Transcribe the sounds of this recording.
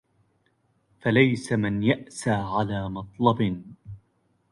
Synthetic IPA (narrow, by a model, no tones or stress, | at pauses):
falajsamɪnjaʔsaːʕalaːmɑt̪ˤlɑb